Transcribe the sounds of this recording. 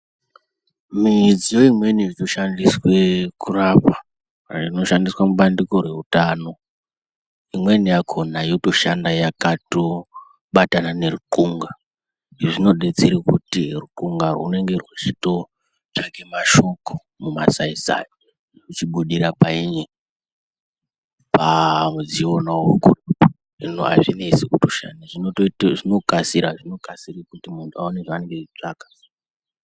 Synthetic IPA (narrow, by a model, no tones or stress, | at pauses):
mid͡zijo̞imwe̞niʐino̞ʃandiswe̞kurapa | rino̞ʃandiswamuɓandiko̞rwe̞utaːno̞ | imwe̞niakʰo̞najoto̞ʃandajakato̞ | ɓatanane̞ruǃuŋɡa | ʐino̞ɗet͡seɾikutiruǃuŋɡarwṵne̞ŋɡe̞rwut͡ʃito̞ | t͡ʃaŋɡemaʃo̞ko̥ | mumasaisa̰jo | ut͡ʃiɓuɗirapaiɲe | pamud͡zionawokur | ʐinua̰ʐineisekutuʃa̰niʐinoʐino̞kasiɾaʐino̞kasirikutimuntʰuaoneʐaane̞ŋɡeʐit͡ʂaːkḁ